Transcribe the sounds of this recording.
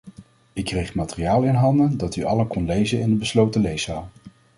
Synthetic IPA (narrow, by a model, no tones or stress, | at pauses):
ɪkːrejχmaːtərijaːlˠɪnɦɑndəndɑtyʔɑlənkɔnlejzənɪndəbəslowtəlejsaːlˠ